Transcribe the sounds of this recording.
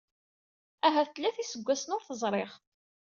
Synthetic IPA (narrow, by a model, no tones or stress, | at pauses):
æɦæθəlːæθisəɡʷːæsənʊɾθəzˤɾˤeʁ